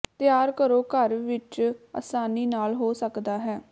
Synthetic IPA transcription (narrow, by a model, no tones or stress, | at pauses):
t̪ɪjaːɾkəɾoːkəɾʋɪt͡ʃa̰saːniːnaːlɦoːsəkd̪aːɦɛː